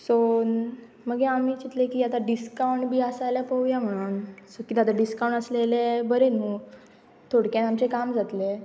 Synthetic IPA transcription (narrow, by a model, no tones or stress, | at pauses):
son | məɡeamiːt͡ɕit̪lekiːat̪aɖiskawɳʈbʱiːəsajljapəujam̤əɽ̃uːnsokit̪at̪aɖiskawɳʈəslelebəɾenɦũ | t̪ʰoɽkjãnamt͡sekamd͡zʱat̪le